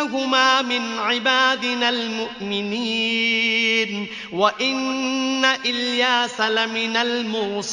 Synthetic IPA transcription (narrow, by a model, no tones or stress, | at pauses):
ɦʊmaːmɪnʕɪbaːd̪ɪnalmʊʔmɪniː | n | waʔɪnːaʔɪljaːsalamɪnalmʊːs